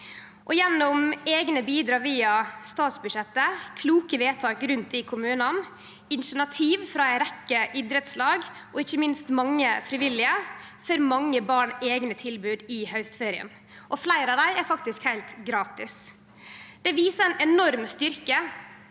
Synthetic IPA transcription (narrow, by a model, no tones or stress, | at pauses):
ʔɔjɛnːɔmeːɡnəbiːd̪ɾɑːʋiːɑst̪ɑːt̪sbʉʃɛt̪ːəkʰluːkəʋeːt̪ʰɑːkɾʉnt̪̚d̪ɪkʰʊmʉːnɑn | ɪnʃəɳɑt̪ʰiːʋfɾɑæɪɾɛkːəʔɪd̪ɾət̪slɑːɡ | ʔɔɪçːəmɪnst̪mɑŋːəfɾɪʋɪlːɪə | føɾmɑŋːəbɑːɳeːɡnət̪ʰɪlbʉːd̪ɪhœʉst̪feːɾɪə̰n | ʔɔflæɪɾɑʋd̪æɪæɾfɑk̚t̪ɪskhæɪlt̪ɡɾɑːt̪ɪs | d̪̥ɛʋiːsəæɛnɛnɔɾmst̪ʏɾkə